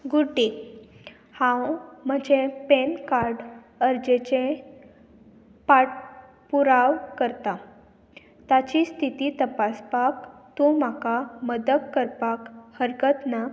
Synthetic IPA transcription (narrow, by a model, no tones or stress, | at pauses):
ɡuɖi | hãwm̤əd͡ʑẽpenkaɾɖ | əɾd͡ʑet͡ɕẽ | paʈ̚ | puɾaʋkəɾt̪a | t̪at͡ɕist̪ʰit̪iːt̪əpaspakt̪om̤akaməd̪əkkəɾpakhəɾkət̪na